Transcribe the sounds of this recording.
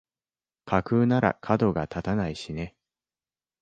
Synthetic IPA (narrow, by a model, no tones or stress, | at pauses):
kʰakɯ̟ːnaɾa̰kʰad̪o̞ɡat̪at̪anaiɕine̞